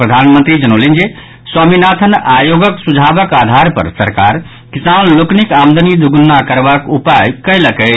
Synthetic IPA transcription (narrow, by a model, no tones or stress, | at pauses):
pɾəd̪ʱanmənt̪ɾid͡ʒənolind͡ʒe | swaminat̪ʰənajoɡəksud͡ʒʱabəkad̪ʱaɾpə̰ɾsəɾka̰ɾ | kisanloknikamd̪ənid̪ʱuɡunːakəɾbakupajkələkə